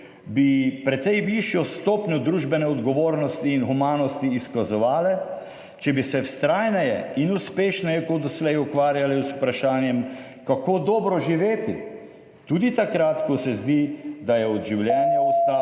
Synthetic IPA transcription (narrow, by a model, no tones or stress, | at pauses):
bipɾɛt̪sɛjʋiʃjɔst̪oːpɲɔd̪ɾuːʒbɛnɛɔd̪ɡɔʋoːɾnɔst̪iːnxumaːnɔst̪iːskazɔʋaːlɛ | t͡ʃɛbisɛwst̪ɾaːjnɛjɛinuspeːʃnɛjɛkɔd̪ɔslɛjɔkʋaːɾjalɛsu̥pɾaʃaːnjɛm | kakoːd̪ɔːbɾɔʒiʋeːt̪i | t̪uːd̪it̪akɾat̪kɔsɛzd̪id̪ajɛɔd̪ʒiwljɛːnjaɔst̪a